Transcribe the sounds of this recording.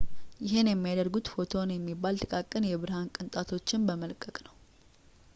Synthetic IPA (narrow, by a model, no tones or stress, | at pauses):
jɪɦɪnjɛmːijad̪əɾɡut̪fo̞t̪ʰo̞njɛmːibːalt̪ʰɨkʼakʼːɨnjɛβɨɾhankʼɨnt̪ʼat̪ʰo̞t͡ʃːɪnbəməlkʼəkʼnəw